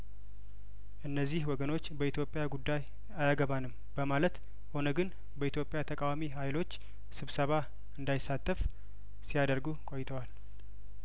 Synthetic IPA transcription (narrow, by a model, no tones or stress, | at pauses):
ʔɨnːəzːihwɔɡəno̞t͡ʃːbəit̪ʰjo̞pʼjaɡud̪ːaj | ajaɡəβanɨm | b̥əmalət̪ | ho̞nəɡɨn | bəit̪ʰjo̞pʼjat̪ʰəkʼawamiɦajlo̞t͡ʃː | sɨβsəβa | ɨnd̪ajɪsːat̪ʼːəf | sijad̪əɾɡukʼo̞jt̪ʰəwal